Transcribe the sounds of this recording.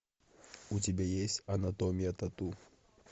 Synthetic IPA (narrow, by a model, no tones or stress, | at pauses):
utʲɪbʲejesʲtʲɐnɐt̪omʲɪjɐt̪ɐt̪u